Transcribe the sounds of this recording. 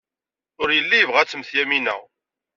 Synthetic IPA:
ʊɾjəlːijəvʁæt͡sːəmθjæminæ̰

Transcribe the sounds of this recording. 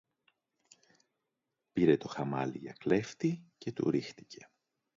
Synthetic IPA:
piɾe̞t̪o̞xɐmɐliʝɐ̰kle̞ft̪ice̞t̪ṵɾixt̪i̥cʰe̞̥

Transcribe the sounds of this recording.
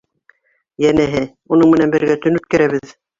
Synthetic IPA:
jænæɦɘ | unɤɴmɘ̆nænbɘ̆ɾɡæt̪ɵnʉt̪̚kæɾæβɘð

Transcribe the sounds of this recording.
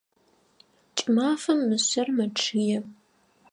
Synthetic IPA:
t͡ʃʼɪmaːfɐmːɨɕɐrmɐʈ͡ʂʰɨjɛ

